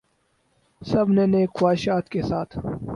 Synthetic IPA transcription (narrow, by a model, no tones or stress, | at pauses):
sɐbneneːkxwaːʃaːt̪kesaːt̪ʰ